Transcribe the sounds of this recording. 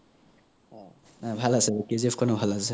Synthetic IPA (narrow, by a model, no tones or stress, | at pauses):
bʱalasɛbekizifkɔnɔbʱalasɛ